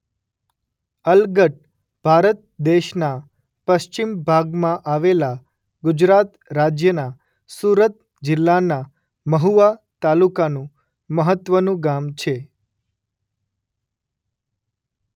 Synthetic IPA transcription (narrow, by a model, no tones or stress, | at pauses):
əlɡəʈ̚ | bʱaɾət̪̚d̪eʃna | pəʃt͡ʃimbʱaɡmãʔaʋela | ɡʊd͡ʒɾat̪ | ɾad͡ʒjəna | suɾət̪ | d͡ʒɪlːana | məɦuʋat̪alukanũ | məɦət̪ʋənũɡamt͡ʃʰe